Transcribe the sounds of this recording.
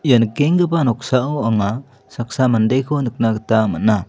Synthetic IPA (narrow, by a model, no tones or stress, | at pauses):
ijankeŋɡəbanɔksaʔɔwaŋa | sak̚samandejkʰɔnɯk̚naɡət̪amana